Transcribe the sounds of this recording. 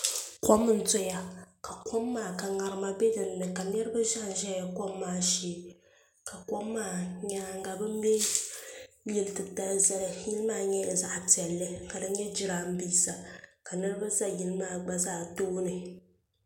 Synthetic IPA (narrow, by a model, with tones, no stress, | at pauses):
kɔ˦m˦n̩˦tɔ˦ja˨ka˨kɔ˦mːaː˦˨ka˨ŋa˨ɾɨ˦ma˦bɛ˦dɨ˨nː˦ɨ˨ka˨m˦ɛ˦ɾɨ˦ba˦ʒa˦˨n̩˨˦ʒɛ˦ja˨kɔ˦mːaː˦˨ʃiː˦ | ka˨ko˦mːaː˦˨ɲa˦˨ŋ̩˦ɡa˨bɨ˦m˦bɛ˦ | jɛ˦ltɨ˨kta˦lza˦lɨ˨ji˦lɨ˦maː˦˨ɲɛ˦a˨za˨ʔpi˨ɛ˨lːɨ˦ka˨dɨ˦ɲɛ˦d͡ʒɪ˦ɾaː˦m̩˦biː˦sa˨ka˨nɨ˦ɾɨ˦ba˦za˦ji˦lɨ˦maː˦˨ɡ͡ba˦zaː˦toː˦nɨ˨